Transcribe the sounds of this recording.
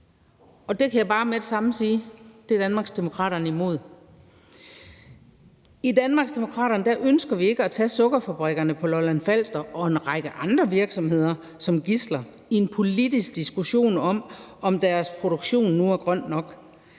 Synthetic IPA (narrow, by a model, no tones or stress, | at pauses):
ɒ̽d̥e̝kʰæjäb̥ɑ̈ːmed̥esɑ̈mn̩siːd̥e̝æɐd̥ænmɑ̈ːɡ̥sd̥e̝mo̝kʰʁɑ̰̈ːɾɐnəimo̝ð̞̰ˠ | id̥ænmɑ̈ːɡ̥sd̥e̝mo̝kʰʁɑ̰̈ːɾɐnd̥æʔønsɡ̥ɐʋie̝ɡ̥əæt͡sʰɛ̰ːsɔ̽ɡ̥ɐfæb̥ʁeɡ̥ɐnəpʰɒ̽lɒlænfæl̰sd̥ɐʔɒ̽e̝nʁɑ̈ɡ̥əʔɑ̈nd̥ʁɐʋiɐɡ̥sɒ̽mhe̝ð̞̰ˠɐ | sɒ̽mɡ̥islɐ | ienpʰo̝lid̥isɡ̥̚d̥isɡ̥uɕo̝̰ːnɒ̽mɒ̽md̥æɐspʰʁo̝ɾ̥oɡ̥ɕo̝̰ːnːuæɐɡ̥ʁɶn̰d̥nɒ̽ɡ̥